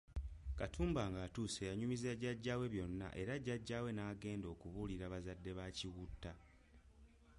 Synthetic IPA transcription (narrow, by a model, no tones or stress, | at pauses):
katʰuːmbaŋɡaːtuːse̞jaɲumizaɟaɟːaːwe̞βjo̞nːa̰ʔe̞ɾaɟːaɟːaːwe̞naːɡe̞ːndo̞ːkuβuliɾaβazadːe̞βaciwutːa